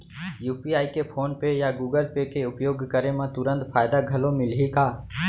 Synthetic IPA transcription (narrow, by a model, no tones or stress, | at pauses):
juːpiaːikepʰoːnpejaɡuːɡəlpekeʊpjoːɡkəɾemãt̪ʊɾə̃nt̪pʰaːjd̪aɡʱəlõmɪlɦikaː